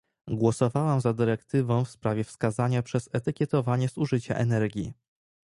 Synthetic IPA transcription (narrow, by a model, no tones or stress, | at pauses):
ɡwɔsɔvawamzad̪ɘɾɛkt̪ɘvɔ̃w̃fspɾavʲjɛfskazaɲapʂɛzɛt̪ɘkʲjɛt̪ɔvaɲɛz̥uʐɘt͡ɕa̰ʔɛnɛɾɡʲḭ